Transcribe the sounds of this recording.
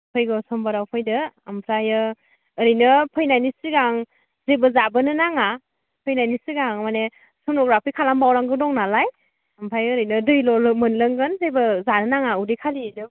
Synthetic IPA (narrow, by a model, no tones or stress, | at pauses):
pʰɯjɡɯsɔmbaɾawpʰɯjdɯampʰɾajɯː | ɾɯjnɯpʰɯjnajnisiɡaŋ | zebɯzabɯnɯnaŋa | pʰɯjnajnisiɡaŋmane | sɔmnɔɡɾapʰikʰalambawɾaŋɡɯdɔŋnalaj | ampʰɾajːɾɯjnɯdɯjlɔlɯmɯnlɯŋɡɯnzebɯzanɯnaŋaudikʰalidɯ